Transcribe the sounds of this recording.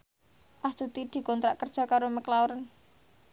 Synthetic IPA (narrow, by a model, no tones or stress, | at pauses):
ʔasd̪̥ṳt̪id̪̥i̤kɔnt̪ɾaʔkərd̥ʒ̥ɔ̤kaɾoməklawɾən